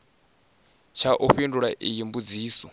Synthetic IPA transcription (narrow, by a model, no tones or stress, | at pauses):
t͡ʃʰaʔuɸinduɺaʔijimbud͡ziːsɔ